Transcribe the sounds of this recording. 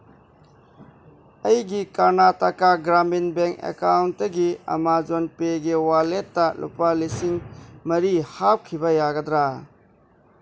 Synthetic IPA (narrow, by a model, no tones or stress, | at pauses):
ɐjɡikaɾnatakaɡɾaminbeŋkḛkawntːɐɡiɐ̰mad͡ʒonpeɡiwaletːɐlʔṵpalisiŋmɐɾihap̚kʰibɐjaɡɐdɾa